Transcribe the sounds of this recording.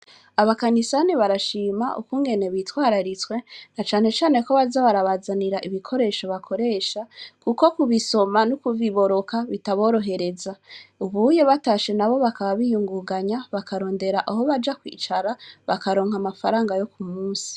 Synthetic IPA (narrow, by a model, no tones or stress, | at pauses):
aβakanisaniβaɾaʃiːma̰ʔṵkuŋɡe̞ne̞βitwaːɾaɾit͡swe̞nat͡ʃaːne̞t͡ʃaːne̞ko̞βazaβaɾaβazaniɾaʔiβikʰo̞ɾe̞ːʃo̞βakʰo̞ɾe̞ːʃakuko̞kuβiso̞manukuviβo̞ɾo̞kaβitaβo̞ːɾo̞ɦe̞ɾe̞zauβujeβataʃe̞naβo̞βakaβaβijuŋɡuɡaɲaβakʰaɾo̞ːnde̞ɾaʔaɦo̞βad͡ʒakwḭːt͡ʃaɾaβakaɾo̞ːŋhamafaɾaːŋɡajo̞kumuːsi̥